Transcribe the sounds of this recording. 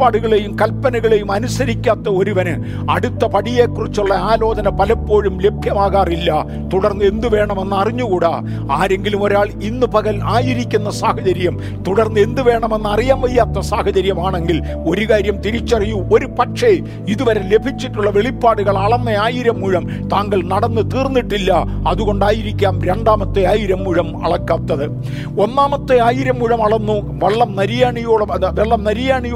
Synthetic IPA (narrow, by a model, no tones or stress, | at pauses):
paːɽuɣɐɭe̞jumkɐlpːɐnɐɣɐɭe̞jumɐnusɐɾikʲːaːt̪ːɐo̞ɾuʋɐnɨ̰ | ɐ̰ɽut̪ːɐpɐɽijeːkːurit͡ɕːuɭːɐaːlo̞ːdɐnɐpɐlɐpːo̞ːɻumle̞bʱjɐmaːɣaːrilːɐ | t̪uɽɐrnːɨe̞nd̪uʋe̞ːɳɐme̞nːɨɐriɲːukuːɽɐ̰ | aːɾe̞ŋɡilumo̞ɾaːɭinːɨpɐɣɐlaːjiɾikʲːunːɐsaːhɐt͡ɕɐɾijɐm | t̪uɽɐrnːɨe̞nd̪uʋe̞ːɳɐme̞nːɐrijaːmʋɐjːaːt̪ːɐsaːhɐt͡ɕɐɾijɐmaːɳe̞ŋɡil | o̞ɾukaːɾjɐmt̪iɾit͡ɕːɐrijuo̞ɾupɐʈʂe | iðuʋɐɾɐle̞bʱit͡ɕːiʈːuɭːɐʋe̞ɭipːaːɽuɣɐɭɐɭɐnːɐaːjiɾɐmːuɻɐm | t̪aːŋɡɐɭnɐɽɐnːɨt̪iːrnːiʈːilːɐ | ɐðuɣo̞ɳɖaːjiɾikʲːaːmɾe̞ɳɖaːmɐt̪ːɨaːjiɾɐmːuɻɐmɐ̰ɭɐkːaːt̪ːɐðɨ | o̞nːaːmɐt̪ːɨaːjiɾɐmːuɻɐmɐɭɐnːu | ʋɐɭːɐmnɐɾijaːɳijoːɭɐʋeɭːɐmnɐɾijaːɳij